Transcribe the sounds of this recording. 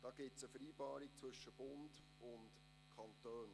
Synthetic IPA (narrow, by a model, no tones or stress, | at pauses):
d̥ɑːɡ̥ɪtsəfəɾiːbɑːɾik̚t͡sʋɵʃəb̥ʊnd | ʊnt | kʰɑntøːn